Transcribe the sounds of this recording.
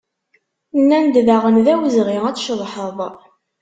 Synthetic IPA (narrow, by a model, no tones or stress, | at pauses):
nːænd̪ðaʁənðæwəzʁiʁæt͡sːʃəðˤħəðˤ